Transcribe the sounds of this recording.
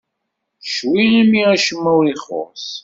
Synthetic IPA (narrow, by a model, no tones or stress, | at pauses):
ʃwiimiæʃəmːuwiχo̰s